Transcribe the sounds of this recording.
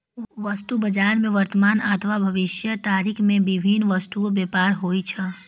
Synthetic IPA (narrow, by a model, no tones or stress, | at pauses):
ʋəst̪ubəd͡ʒaːɾmẽʋɐɾt̪əmaːnət̪ʰʋabʱɐʋɪʃjət̪aːɾikʰmẽʋɪbʱinʋəst̪uobeːpaːɾɦoːit͡ʃʰə